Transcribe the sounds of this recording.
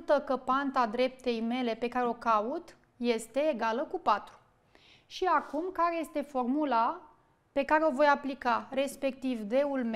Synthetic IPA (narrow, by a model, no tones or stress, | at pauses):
t̪əkəpant̪ad̪ɾe̞p̚t̪e̞jme̞le̞pe̞kaɾeo̞kaut̪ | je̞st̪e̞ːɡaləkupat̪ɾu̥ | ʃiakumkaɾe̞je̞st̪e̞fo̞rmula | pe̞kaɾeo̞vo̞japlikare̞spe̞k̚t̪ivd̪e̞ulme